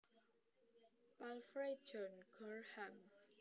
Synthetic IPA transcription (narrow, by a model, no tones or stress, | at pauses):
palfɾe̥d͡ʒɔnɡ̥ɔrham